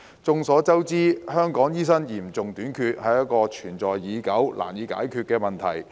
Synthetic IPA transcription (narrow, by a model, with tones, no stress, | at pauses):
t͡sʊ˧ŋsɔː˨˥t͡sɐ˥wt͡siː˥hœː˥ŋkɔː˨˥ŋjiː˥s̬ɐ˥njiː˨˩mt͡sʊ˨ŋt̪yː˨˥nkʰyː˧t̚hɐ˨˩jɐ˥t̚kɔː˧t͡ʃʰyː˨˩nt͡sɔː˨jːiː˨˧kɐ˨˥wlʔa̰ː˨˩njiː˨˥ka̰ː˨˥jkʰyː˧t̚kɛː˧mɐ˨nt̪ʰɐ̰˨˩j